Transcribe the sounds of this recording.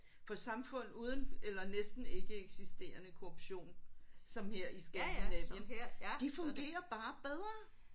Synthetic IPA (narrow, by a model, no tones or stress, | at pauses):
fɒ̽sɑ̈mfɔ̽n̰uːð̞ˠən̩elɐnesd̥n̩e̝ɡ̥əeɡ̥sisd̥e̝ːɐnəkʰo̝ob̥ɕo̝̰ːnsɒ̽mheɐ̰isɡ̥ɛd̥lɛʋəd̥ifɔ̽ŋɡ̥e̝̰ːɐb̥ɑ̈ːb̥eð̞ˠʁɐː